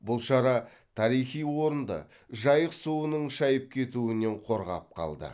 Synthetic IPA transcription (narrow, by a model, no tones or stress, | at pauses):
bʊlˠʃɑɾɑ | t̪ʰɑɾijχijwo̞ɾənd̪ə̰ | ʒɑjəqsuwənəɴʃɑjəp̚kʲʰe̞t̪uɪne̞ɴqʰo̞ɾʁɑ̰p̚qʰɑ̰lˠd̪ə̰